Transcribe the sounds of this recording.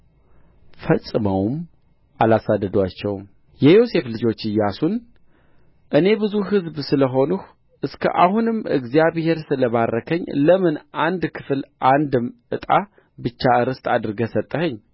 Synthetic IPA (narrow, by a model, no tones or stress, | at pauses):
fəsʼːɨməwm | ʔalasad̪ːəd̪wat͡ʃːɛwm | jɛjo̞se̞flɨd͡ʒo̞t͡ʃːɨjːasun | ʔɨne̞bɨzuɦɨzbsɨləɦo̞nuh | ʔɨskʰə̰ʔahunɨmɨ̰ɡzijaβhe̞ɾsɨləβarːəkʰəɲːləmɨnʔand̪kʰɨfɨlʔand̪ɨmʔɨt̪ʼa | bɨt͡ʃːaɨɾɨst̪ʼad̪ɨɾɡəsət̪ʼːəhəɲː